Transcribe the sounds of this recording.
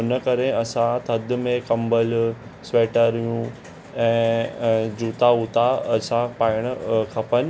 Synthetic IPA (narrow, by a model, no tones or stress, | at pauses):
ʊnə̆kɐɾeɐsãt̪ʰɐd̪mẽkɐ̃mbəl | sʋeːʈəɾijũ | ɛ̃ː | d͡ʑuːt̪auːt̪aɐsãpaːɪɽ̃ʊkʰɐpənɪ̆